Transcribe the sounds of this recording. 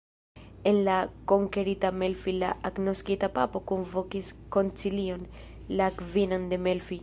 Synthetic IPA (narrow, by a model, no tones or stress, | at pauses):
enlakoŋkeɾit̪amelfila̰ʔaknoskit̪apapokomvokiskont͡silion | lakvinand̪emelfi